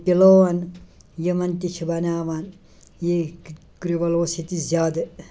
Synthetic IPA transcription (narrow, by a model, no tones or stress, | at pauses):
piloːʋɐn | jɐmɐnt̪it͡ʃʰibɐnaːʋaːn | je | kɾiʋɐloːsit̪izʲjaːd̪ɐ